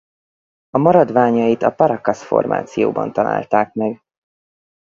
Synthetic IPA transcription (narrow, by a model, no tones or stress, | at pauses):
ɒmɒɾɒd̪ʋaːɲɒjit̪ɒpɒɾɒkɒsfo̰rmʔa̰ːt̪sijo̰ːbɒ̰nt̪ɒla̰ːlt̪aːk̚mɛɡ